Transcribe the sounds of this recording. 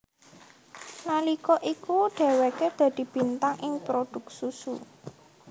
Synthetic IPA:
nalikɔʔikuɖ̥ɛ̤weked̪̥a̤d̪̥i̤b̥i̤nt̪aŋʔɪŋpɾod̪̥ʊ̤k̚susu

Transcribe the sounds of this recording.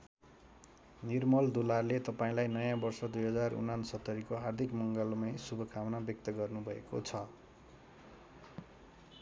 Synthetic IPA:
nirmʌld̪ularlet̪ʌpaĩlajnʌjãbʌrsʌd̪ujɦʌd͡zarṵnansʌt̪ːʌɾikoɦard̪ʱikmʌŋɡʌlmʌjsubʱʌkʰawnabjʌk̚t̪ʌɡʌrnubʱʌḛkot͡sʰʌ

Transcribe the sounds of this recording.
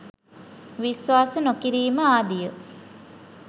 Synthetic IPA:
ʋisʋaːsənokiɾiːməaːd̪ijə

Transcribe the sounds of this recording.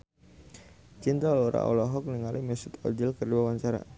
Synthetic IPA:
t͡ʃint̪aloɾa̰ʔo̰lɔɦɔk̚niŋalimɛsut̪ɔ̰d͡ʒilkərdiwawaɲt͡ʃaɾa̰

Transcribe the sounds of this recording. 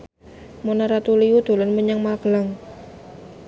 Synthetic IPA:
monaɾat̪uliud̪̥o̤lənməɲaŋmalɡ̥əlaŋ

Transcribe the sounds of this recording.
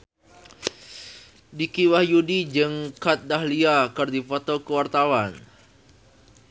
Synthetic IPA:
dikiwahjudid͡ʒəŋkat̪̚dahliakərdifɔt̪okəwart̪awan

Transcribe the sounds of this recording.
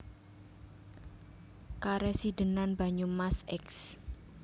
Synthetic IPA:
kaɾɛsidənanba̤ɲumasɛks

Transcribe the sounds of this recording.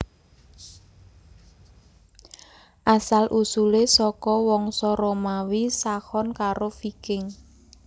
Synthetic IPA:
ʔasalʔusulesɔkɔwɔŋsɔɾɔmawisahɔnkaɾofikɪŋ

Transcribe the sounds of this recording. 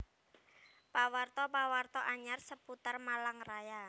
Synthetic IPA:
pawart̪ɔpawart̪ɔʔaɲarsəput̪ərmalaŋraja

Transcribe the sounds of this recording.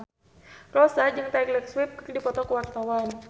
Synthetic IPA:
rɔsad͡ʒaŋt̪aiklɛk̚swɪp̚krdipɔt̪ɔkəwart̪awan

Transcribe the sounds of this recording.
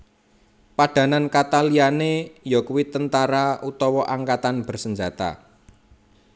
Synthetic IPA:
paɖ̥ä̤nankat̪alianejɔkuwit̪ənt̪aɾaut̪ɔwɔʔaŋkat̪anb̥ə̤rsəɲd͡ʒa̤t̪a̰

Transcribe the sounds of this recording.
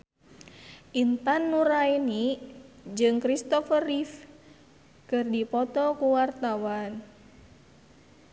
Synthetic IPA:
ʔint̪anːuɾaini | d͡ʒɨŋkɾist̪ɔfərif | kɨrdipɔt̪ɔkuwart̪awan

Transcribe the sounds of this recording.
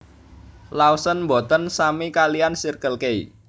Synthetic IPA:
lausənmbɔ̤t̪ənsamikalijansirkəlkei

